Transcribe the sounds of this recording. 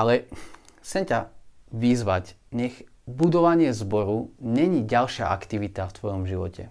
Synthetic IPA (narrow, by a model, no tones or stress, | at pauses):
alɛ | xt͡sɛmcaʋizʋacɲɛɣ | bud̪ɔʋaɲɪɛzbɔɾuɲɛɲiɟalʃɪa̰ʔakt̪iʋit̪aft̪ʋɔjɔmʒiʋɔcɛ̰